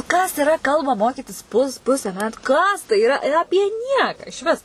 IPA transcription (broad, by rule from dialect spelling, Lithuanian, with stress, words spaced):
kɐs ɪˈrɐ ˈkɐlˠbɑː ˈmoːkʲiːtʲɪs pʊs ˈpʊsʲɛ ˈmʲæːtʊ ˈkɐs tɐɪ ɪˈrɐ ˈɑːpʲiɛ ˈnʲiɛkɑː ɪʃʲˈʋʲɪs